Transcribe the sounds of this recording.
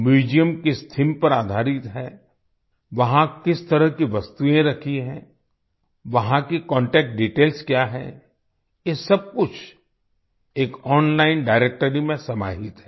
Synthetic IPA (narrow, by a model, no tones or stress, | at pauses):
miːd͡ʒijəmkist̪ʰimpɐɾaːd̪ʱaːɾɪt̪ɦɛː | ʋɐɦãkɪst̪ɐɾəɦkiʋɐst̪uẽɾɐkʰiɦɛ̰̃ | ʋɐɦãkikɔ̃ːɳʈɛːk̚ʈ̚ɖiːʈeːlskjaːɦɛ̰ | jesɐb̚kʊt͡ʃʰ | eːkɔːnlaːɪnɖaːɪɾeːk̚ʈəɾimẽsɐma̰ːɦɪt̪ɦɛ